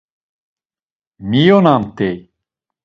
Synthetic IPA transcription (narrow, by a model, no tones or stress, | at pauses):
mijonant̪ej